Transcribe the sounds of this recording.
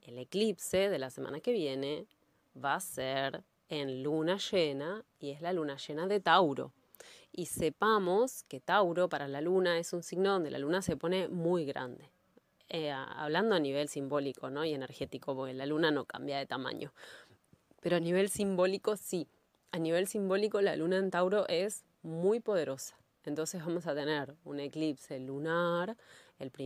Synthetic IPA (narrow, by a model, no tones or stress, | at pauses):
ele̞klipse̞ðe̞lase̞ma̰nake̞β̞je̞ne̞ | βaːseɾ | enlunaʃena | ie̞zlalunaʃe̞naðe̞t̪awɾo̞̰ | ise̞pamo̞ske̞t̪awɾo̞paɾalalunae̞sunsiɣnoð̞nd̪ḛla̰lunase̞po̞ne̞mujɣɾa̰nd̪e̞ | ḛa̰βland̪oaniβ̞e̞lsimbo̞liko̞no̞je̞ne̞ɾxe̞t̪iko̞po̞ɾkelalunano̞ka̰mbjaðe̞t̪ama̰ɲo̞ | pe̞ɾoaniβe̞lsimbo̞liko̞si | aniβ̞e̞lsimbo̞liko̞la̰lunaent̪awɾo̞ʔe̞s | mujpo̞ð̞e̞ɾo̞sḁ | e̞nt̪o̞nsezβamo̞sat̪e̞ne̞ɾune̞klipselːunaɾelpɾi